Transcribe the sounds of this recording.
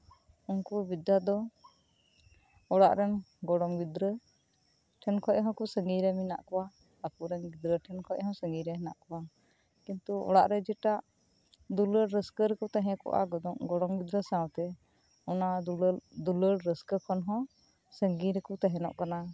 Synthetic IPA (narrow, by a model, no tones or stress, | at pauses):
unkubid̪ːad̪ɔ | ɔɽaʔɾɛnɡɔɽɔmɡid̪ɾə | ʈʰɛnkʰɔʔɦɔ̃kusəŋɡiɾɛmina̰ʔkɔwa | akuɾɛnɡid̪ɾəʈʰɛnkʰɔʔɦɔ̃səŋɡiɾɛɦɛnaʔkɔwa | kint̪uɔ̰ɽa̰ʔɾɛd͡ʒɛʈaʔ | d̪uləɽɾəskəɾɛkut̪aɦɛ̃kɔ̰ʔa̰ɡɔd̪ɔŋɡɔɽɔmɡid̪ɾəsawt̪ɛ | ɔnad̪uləɽɾəskəkʰɔnɦɔ̃ | səŋɡiɾɛkut̪aɦɛnɔ̰ʔkana